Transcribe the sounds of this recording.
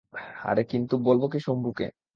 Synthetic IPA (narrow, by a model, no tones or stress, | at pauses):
a̰ɾekint̪ubolbokiʃombʱukḛ